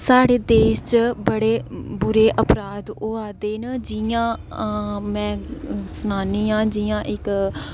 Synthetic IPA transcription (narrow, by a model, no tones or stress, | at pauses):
saːɽeːd̪eːʃt͡ʃbəɽeːbʊɾeːʔəpɾaːd̪oːaːd̪eːnəd͡ʒiãː | mɛ̃ːsnaːniːãːd͡ʒiːjãːʔɪk